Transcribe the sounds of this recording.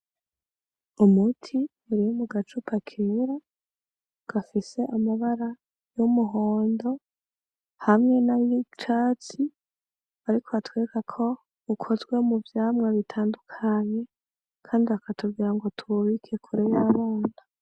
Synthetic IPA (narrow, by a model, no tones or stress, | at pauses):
umutʰi | uɾijumuɡat͡ʃupʰakʰiɾa | ɡ̥afise̞ʔamaβaɾa | jomuɦoːndo̞ | hamŋe̞najit͡ʃaːt͡si | aɾikʰoatweːkakʰo̞ | ukʰo̞zɡwe̞muvjaːmŋeβitʰaːndukʰaɲe̞ | kʰaːndiakatubɡiɾaŋɡo̞tʰuβikʰekʰuɾeβiɾaβo̞ːna